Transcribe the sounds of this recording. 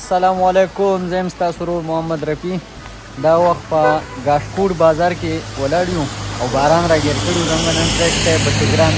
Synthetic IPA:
asɐlaːmwalekʊmzəjəmst̪ɑːsoɾoɾmʊhamːad̪ɾɐpi | d̪ɑːwɐxt̪̚pəɡɑːʂkuɖbɑːzɑːɾkewɐlaɽjũawbɑːɾɑːnɾɑːɡeɾkəɽiuzɐmŋɡanənteʃt̪epəʈɪɡɾaːn

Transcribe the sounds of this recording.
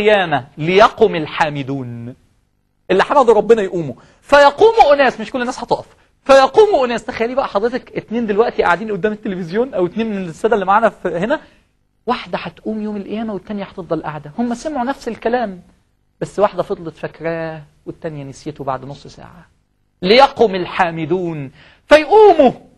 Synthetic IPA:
jæːmælejɑquːmelħaːmɪd̪uːn | ʔelːiħanæd̪ɾˤɑbːenæjʔuːmu | fæjɑquːmuʔonæːsmeʃkolːenːæːsħɑt̪ˤɑːʔɑf | fæjɑquːmuʔʊnæːst̪æxæjælːiːbæʔæħɑd̪ˤɾet̪ɑkʔet̪neːnd̪elwæʔt̪iʔa̰ʕad̪iːnʔod̪ːæːmet̪ːelefezjoːnʔæwet̪neːnmenesːæːd̪ælːimaʕaːnæfhenæ | waħd̪æħæt̪ʔuːmjoːmelʔæjːæːmæwet̪ːænjæħɑt̪efd̪ˤɑlʔa̰ʕd̪æhomːæsæmʕunæfselkælæːm | b̥æsːwaħd̪æfɑd̪ˤlet̪fækɾæː | wet̪ːænjænisiːt̪oba̰ʕd̪nosˤːsæ̰ːʕa | lejɑqomelħaːmɪd̪uːn | fæjʔuːmu

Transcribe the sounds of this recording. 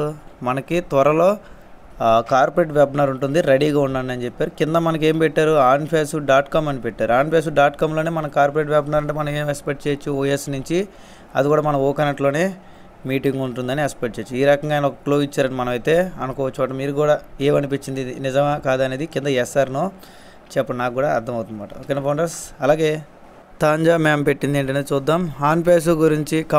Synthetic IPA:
mɐnɐkit̪ʋɐɾɐlo̞ː | kaːɾpɐɾeːʈʋebnɐɾuɳʈund̪iɾeɽiːɡaːunːaːnɐnit͡ʃepːaːɾukind̪ɐmɐnɐk̬e̞ːmpɛʈːaːɾuaːnpʰeːsuɖaːʈkaːmɐnipɛʈːaːɾuaːnpʰeːs̬uɖaːʈkaːmloːneːmɐnɐkkaːɾpoɾeːʈʋebnɐɾɐɳʈeːmɐnɐ̃meːmekspeʈ̚t͡ʃeːjt͡ʃːuoːjesnuɲt͡ʃi | ɐ̰d̪ikuːɽaːmɐnɐmoːkɐnɐʈlo̞ːne̞ː | miːʈiŋɡuɳʈund̪ɐniekspeʈ̚t͡ʃe̞ːt͡ʃːiːɾɐkɐŋɡaːjnɐɔkɐkloːit͡ʃːaːɾɐnimɐnɐmɐjt̪e̞ːɐnukɔːʋɐt͡ʃːumaːʈːɐmiːɾuɡuːɽaːe̞ːmɐnipit͡ʃːind̪inid͡ʒɐŋakaːd̪ɐne̞ːd̪ikind̪ɐɛsaːɾnoː | t͡ʃɛpːɐɽnaːkɡuːɽaɐɾd̪ɐmɐwt̪und̪imaːʈɐ̰okːenɐpɐːɳɖɐsɐlaːɡe̞ː | t̪aːɲd͡ʒaːmeːmpe̞ʈːind̪eːɳʈɐneːt͡ʃuːd̪ːaːmaːnp̬eːs̬uɡuɾiɲt͡ʃikɐ

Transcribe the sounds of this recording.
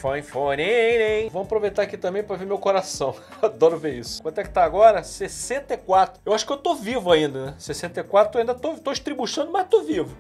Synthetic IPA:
foj̃foneenẽj̃vow̃apɾovejt̪aɾakit̪ɐ̃mbẽj̃pɾɐveɾmewkoɾasɐ̃w̃ | ad̪ɔɾʊveɾisʊ̥kwɐ̃nt̪ɛkɪ̥t̪aːɡɔɾɐsesẽnt̪ɐikwat̪ɾʊewaʃʊ̥kɪewt̪ovivʊaĩnd̪ɐnɛsesẽnt̪ɐikwat̪ɾʊaĩnd̪ɐt̪ot̪oiʃt̪ɾibuʃɐ̃nd̪ʊmɐzt̪ovivʊ

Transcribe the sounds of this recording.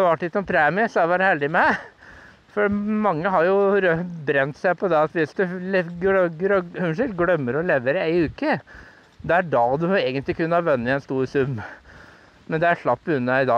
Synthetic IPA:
ʋɑʈːlɪt̪sɔmpʰɾeːmɪsɔæʋæːɾəhɛld̪ɪmɛ | fɔmɑŋːəɦɑɾjʊɾbɾɛnt̪sæɪpʰɔd̪ɛɑt̪ʋɪsd̪ʉlɛɡœɡəɾɔʉnʂəlɡɽœmːəɾɔleːʋəɾæɪʉːkə | d̪ɛæɖɑːd̪ʉeːɡənt̪lɪkʉnːəɑɾʋɛnːɪɛnst̪uːɾsʉmː | mɛnd̪ɛæɾʂlɑpːʉnːəɪd̪ɑː

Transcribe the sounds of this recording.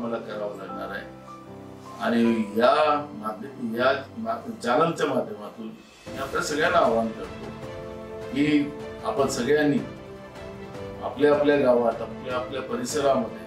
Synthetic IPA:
məlakəɾaʋlaɡɳaɾaɦe | aɽ̃iɦjamad̪ʱjamad͡ʑanəlt͡ɕjamad̪ʱjəmat̪ʰuːn | ɦiapljasəɡɭjanaːʋãnkəɾt̪o | ɦiapənsəɡɭjanːi | a̰pljaapljaɡaʋaʈapljaːpljapəɾisəɾaməd̪ʱːje

